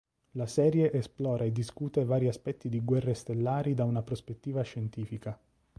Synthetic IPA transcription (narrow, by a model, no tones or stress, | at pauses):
lasɛːɾjeʔːsplɔːɾʔaed̪ːiskuːt̪evaːɾiaspɛt̪ːid̪iɡwɛrːest̪elːaːɾid̪aunapɾospet̪ːiːvaʃːent̪iːfika